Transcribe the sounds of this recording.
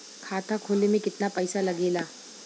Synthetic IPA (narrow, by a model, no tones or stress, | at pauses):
kʰaːt̪ʰakʰoːlemẽkɪt̪napɐɪsalɐɡeːlaː